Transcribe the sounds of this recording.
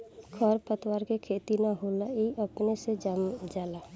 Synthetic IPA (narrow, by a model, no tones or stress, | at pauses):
kʰəɾpət̪waːɾkekʰeːt̪inaɦoːlaiʔəpnesed͡ʒamd͡ʒaːla